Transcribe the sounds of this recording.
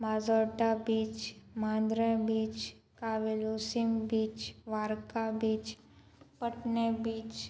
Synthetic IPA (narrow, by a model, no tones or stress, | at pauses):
maːzɔːʈabiːt͡ʃmãːnd̪ɾə̃biːt͡ʃ | kaʋeloːsimbiːt͡ʃʋaːɾkabiːt͡ʃ | pəʈnebiːt͡ʃ